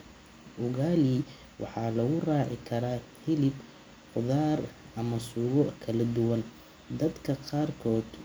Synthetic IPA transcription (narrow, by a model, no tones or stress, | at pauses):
ʔʊɣaːlɪ | wʔɑ̰ħɑːlɐɣʊraːʕɪ̰kʰɐɾaːhɪlɪb | qʊðaːr | ɐmɐsuːɣɔkʰɐlɐd̪ʊwɐn | d̪ɐd̪kʰɐqɑːrkʰɔːd̪